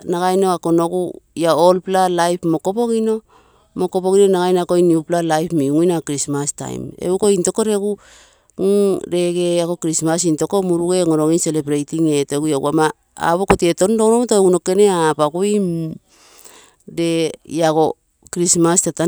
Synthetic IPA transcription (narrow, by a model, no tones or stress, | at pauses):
naɡajnoako̞no̞ɡujaolplalajpmo̞ko̞po̞kino̞ | mokopokinonaɡajnoakoiniuplalajpmiŋujnakɾismasta̰j̰mḛuko̞into̞koɾe̞ɡu | ɾe̞ɡeako̞kɾismas̬into̞ko̞muɾuɡe̞ŋoɾo̞ɡinse̞lebɾejtiŋeteɡujaɡṵama | a̰βokotieto̞ndonomotoɡuno̞ke̞neapaɡuim | de̞jaɡo̞ | kɾismastata